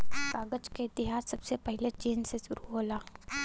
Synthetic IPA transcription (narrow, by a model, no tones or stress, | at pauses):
kaːɡət͡ʃkeɪt̪ɪɦaːsːɐbsepɛɦlet͡ʃeːnseʃʊɾuɦoːlaː